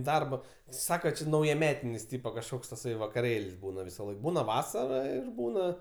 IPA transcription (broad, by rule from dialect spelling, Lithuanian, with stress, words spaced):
ˈdɐrbɐ ˈsɑːkɐ ˈt͡ʃʲɪ nɐʊjɛˈmʲæːtʲɪnʲɪs ˈtʲiːpɐ kɐʃˈkoːks tɐˈsɐɪ ʋɐkɐˈrʲeːlʲsʲ ˈbuːnɐ ʋʲɪsɐˈlˠɐɪk ˈbuːnɐ ˈʋɑːsɐrɐ ˈɪr ˈbuːnɐ